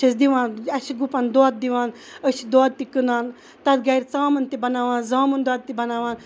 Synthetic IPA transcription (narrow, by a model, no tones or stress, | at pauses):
isd̪iʋãːnɐʃiɡupɐnd̪oːt̪̚d̪iʋaːnəʃʰid̪oːd̪̚t̪ikɨnaːn | t̪ɐt̪̚ɡɐjɾʲt͡saːmɐnt̪ibɐnaːʋaːnzaːmɐnd̪ɔːd̪̚t̪ibɐnaːʋaːn